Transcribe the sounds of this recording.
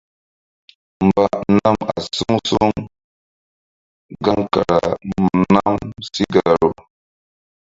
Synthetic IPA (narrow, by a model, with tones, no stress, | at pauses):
m˨ba˨na˦ma̰˨su˦ŋsu˦ŋ | ɡa˦ŋka˨ɾa˨mna˦msi˦ɡa˨ɾo˨